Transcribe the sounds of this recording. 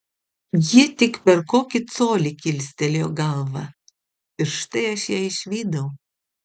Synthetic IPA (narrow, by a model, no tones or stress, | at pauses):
jit̪ʲɪkpʲɛɾkoːkʲɪt̪soːlʲɪkʲɪlʲsʲt̪ʲɛlʲjoːɡɐlˠʋɑ | ɪɾʃt̪ɐɪɐʃjæːɪʃʲʋʲiːd̪ɐʊ